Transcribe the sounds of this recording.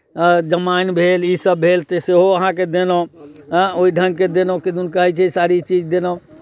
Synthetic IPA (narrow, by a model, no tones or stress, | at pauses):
d͡ʒəmanbʱelisəbʱːelt̪eseɦoəɦãk̬ed̪enõ | oiɖʱə̃ŋɡ̚ked̪enoked̪unkəɦɛt͡ʃʰɛsaɾit͡ʃid͡ʒd̪eno